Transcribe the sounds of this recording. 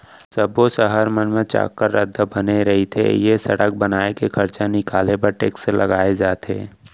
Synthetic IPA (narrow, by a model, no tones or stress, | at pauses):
səbosəɦəɾmənmẽt͡ʃa̰ːkːəɾːəd̪ʱːabəneɾɐɦit̪ʰḛjesɐ̰ɽək̚bənaːekekʰɐɾt͡ʃanɪkaːlepəɾʈeːkselʔɐ̰ɡaːed͡ʒaːt̪ʰḛː